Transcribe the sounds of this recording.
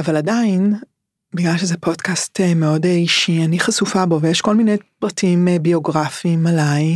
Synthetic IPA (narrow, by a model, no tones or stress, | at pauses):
avaladain | biɡlalʃezɛpʰo̞dkastmeo̞deiʃianiχasufabo̞vejeʃko̞lminejpʁatimebio̞ɡʁafimalaj